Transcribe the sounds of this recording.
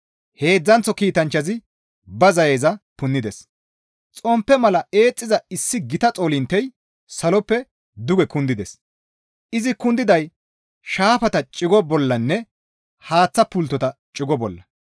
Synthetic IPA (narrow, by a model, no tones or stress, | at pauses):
he̞ːd͡zːɐnt͡sːɔkiːt̪ɐnt͡ʃːɐzɪ | bɐzɐjeːzɐpʊnːɪd̪ɛs | t͡sʼɔmpːɛmɐlɐe̞ːt͡sʼːɪzɐɪsːɪɡɪt̪ɐt͡sʼoːlɪnt̪ːɛj | sɐlɔpːɛ | d̪ʊɡɛkʊnd̪ɪd̪ɛs | ʔɪzɪkʊnd̪ɪd̪ɐj | ʃaːfɐt̪ɐt͡ʃʼɪɡɔbɔlːɐnːɛ | haːt͡sːɐpʊlt̪ːɔt̪ɐt͡ʃʼɪɡɔbɔlːɐ